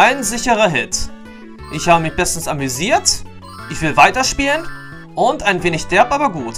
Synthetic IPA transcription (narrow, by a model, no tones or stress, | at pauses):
ʔaɪnzɪçəʁɐɦɪt | ʔɪçhaːbəmɪçb̥ɛstn̩samyziːɐt | ʔɪçv̥ɪlvaɪtɐʃpiːlən | ʔʊntaɪnveːnɪçd̥ɛɐpʔaːbɐɡuːt